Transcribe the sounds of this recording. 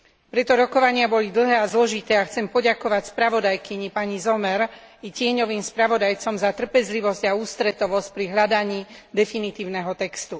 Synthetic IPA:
pɾɛt̪ɔɾɔkɔʋaɲɪabɔlid̪l̩ˠɦɛːazlɔʒit̪ɛːaxt͡sɛmpɔɟakɔʋacspɾaʋɔd̪ajkiɲipaɲizɔmɛɾ | icɪɛɲɔʋiːmspɾaʋɔd̪ajt͡sɔmzat̪r̩pɛzliʋɔzɟauːst̪ɾɛt̪ɔʋɔsc̚pɾiɦlad̪aɲiːd̪ɛfinit̪iːʊnɛɦɔt̪ɛkst̪u

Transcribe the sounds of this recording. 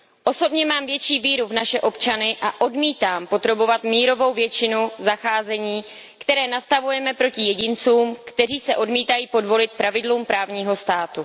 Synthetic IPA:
ʔo̞so̞bɲɛmaːmvjɛt͡ʃiːviːɾuvnaʃɛʔo̞pt͡ʃanɪʔaʔo̞dmiːt̪aːmpo̞t̪ɾobo̞vat̪miːɾo̞vo̞wvjɛt͡ʃɪnuzaxaːzɛɲiː | kt̪ɛɾɛːnast̪avujɛmɛpɾo̞cɪjɛɟɪnt͡suːmkt̪ɛriːsɛʔo̞dmiːt̪ajiːpo̞dvo̞lɪt̪̚pɾavɪdluːmpɾaːvɲiːɦo̞st̪aːt̪u

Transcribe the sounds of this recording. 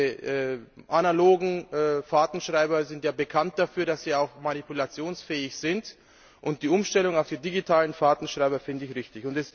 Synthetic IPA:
ʔɛːʔanaloːɡŋ̩ːfaːtn̩ʃʁ̥aɪbɐzɪntjaːbəkʰant̚d̥afyːɐdasz̥iːaʊxmanipulat͡sjoːnsfɛːɪçz̥ɪnt | ʔʊnt̚d̥iːʔʊmʃtɛlʊŋaʊfd̥iːdiɡitʰaːlənfaːtn̩ʃʁ̥aɪbɐfɪndəɪçʁɪçtɪçʊntɛs

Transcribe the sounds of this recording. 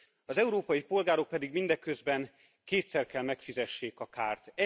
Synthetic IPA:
ɒzɛuɾoːpɒjipo̞lɡaːɾo̞k̚pɛd̪iɡmind̪ɛkøzbɛn | keːt̪sɛrkɛlmɛkfizɛʃːeːkɒkaːrt̪ɛ

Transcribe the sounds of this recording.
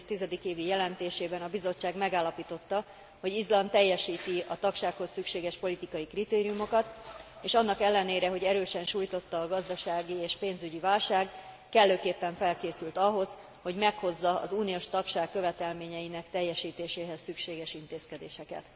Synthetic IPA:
t̪izɛd̪ikeːvijɛlɛnt̪eːʃeːbɛnɒbizo̞t͡ʃːaːɡmɛɡaːlːɒpiːt̪o̞t̪ːɒ | ho̞ɟizlɒnt̪ɛjːɛʃiːt̪iɒt̪ɒkʃaːkho̞sːykʃeːɡɛʃpo̞lit̪ikɒjikrit̪eːɾijumo̞kɒt̪ | eːʃɒnːɒkɛlːɛneːɾɛɦo̞ɟɛɾøːʃɛnʃuːjt̪o̞t̪ːɒːɡɒzd̪ɒʃaːɡieːʃpeːnzyɟivaːlʃaːɡ | kɛlːøːkeːpːɛɱfɛlkeːsylt̪ɒɦo̞z | ho̞ɟmɛkho̞zːɒɒ̰zuːnioːʃt̪ɒkʃaːkːøvɛt̪ɛlmeːɲɛjinɛkt̪ɛjːɛʃiːt̪eːʃeːɦɛsːykʃeːɡɛʃint̪eːskɛd̪eːʃɛkɛ̰t̪

